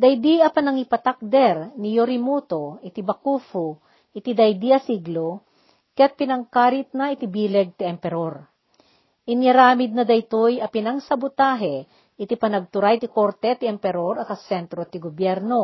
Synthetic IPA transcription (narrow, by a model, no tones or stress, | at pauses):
d̪ɐjd̪iɐpɐnɐŋipɐt̪ak̚d̪ɛɾnijoɾɪmut̪oɪt̪ibɐkuːfu | ʔɪt̪id̪ɐjd̪iɐsiɡlo | kɐjɐt̪̚pɪnɐŋkaːɾɪt̪̚nɐɪt̪ibiːlɛɡ̚t̪iɛmpɛɾoɾ | ʔɪnjɐɾaːmɪd̪̚nɐd̪ɐjt̪ojɐpɪnɐŋsɐbʊt̪aːɦɛ | ʔɪt̪ipɐnɐɡ̚t̪ʊɾajt̪ɪkoɾt̪ɛt̪ɪɛmpɛɾo̞ɾɐkɐsɛnt̪ɾot̪ɪɡobjɛɾno̞